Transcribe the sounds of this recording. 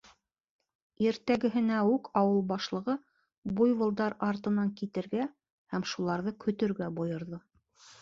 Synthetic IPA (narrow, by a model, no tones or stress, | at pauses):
iɾt̪æɡɘ̆ɦɘ̆næʉkʰɑwɤlˠbɑʃlˠɤ̆ʁɤ | bujwɤ̆lˠd̪ɑɾɑɾt̪ɤ̆nɑŋkit̪ɘ̆ɾɡæ | hæmʃulˠɑɾðɤkʰɵ̆t̪ɵ̆ɾɡæbojɤ̆ɾðɤ